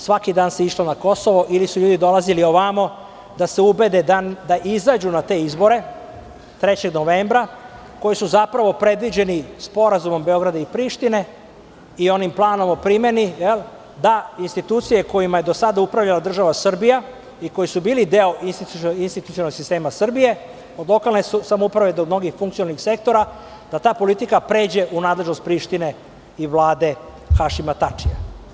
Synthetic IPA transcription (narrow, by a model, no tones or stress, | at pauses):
sʋakid̪aːnseiʃlonako̞so̞ʋo̞ʔilisuʎuːd̪id̪o̞lazilio̞ʋamo | d̪ase̞ube̞d̪ed̪ad̪aʔizad͡ʑunat̪e̞izbo̞ɾe̞ | t̪ɾe̞t͡ɕe̞ɡno̞ʋeːmbɾa | ko̞jisuzapɾaʋo̞pɾe̞d̪ʋid͡ʑe̞nispo̞ɾazumo̞mbe̞o̞ɡɾad̪aipɾiːʃt̪ine̞ | io̞nimplˠaːno̞mopɾime̞nijelˠ | d̪ainst̪it̪uːt̪sije̞ko̞jimaje̞d̪osad̪aupɾaʋʎalad̪r̩ʒaʋasr̩bija | iko̞jisubiːlid̪eo̞ʔinst̪iinst̪it̪u̥t̪ionoɡsist̪e̞ːmasr̩bije̞ | o̞d̪lˠo̞kalˠne̞susamoupɾaʋe̞d̪omno̞ɡixfuŋkt̪sioalnixse̞k̚t̪o̞ɾa | d̪̥at̪aːpo̞lit̪ikapɾe̞ːd͡ʑe̞ʔunaːd̪leʒno̞st̪̚pɾiːʃt̪ine̞ | iʋlˠaːd̪e̞ | xaʃimat̪at͡ʂija̰